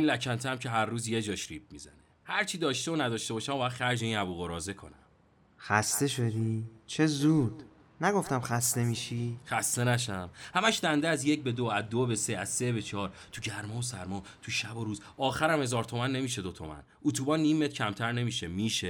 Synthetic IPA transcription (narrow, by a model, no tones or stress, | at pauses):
inlæcʰænt̪ʰæmcʰe̞ɦæɾːuːzje̞d͡ʒɒːʃɾip̚mizæ̰nehæɾt͡ʃʰid̪ɒːʃt̪e̞onæd̪ɒːʃt̪e̞bɒːʃæmbɒːjæd̪χæɾd͡ʒeiːnæbuːɣo̞ɾɒːze̞kʰo̞̰næm | xæst̪e̞ʃo̞d̪it͡ʃʰezuːd̪̥ | næɡo̞ft̪æmxæst̪e̞miʃixæst̪e̞næʃæmhæmæʃd̪ænd̪eæzje̞c̚be̞d̪oæzd̪obeseæz̥sebet͡ʃʰɒːɾ | t̪ʰuɟæɾmɒːosæ̰ɾmɒːt̪ʰuʃæboɾuːz | ɒːxæɾæmhe̞zɒːɾt̪ʰo̞mænːe̞miːʃe̞d̪ot̪ʰo̞̰mæ̰n | ʔut̪ʰuːbɒːnːiːmːet̪cʰæmt̪ʰæɾne̞miːʃemiːʃe